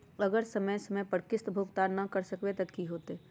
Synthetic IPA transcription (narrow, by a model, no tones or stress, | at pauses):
əɡəɾsəməjsəməjpəɾkɪst̪bʱuːɡt̪anɐkəɾsəkwet̪ɐd̪kiɦoːt̪e